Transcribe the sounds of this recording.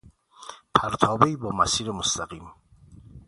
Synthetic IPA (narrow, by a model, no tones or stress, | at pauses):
pʰæɾt̪ʰɒːbeiːbɒːmæsiːɾemost̪æɢiːm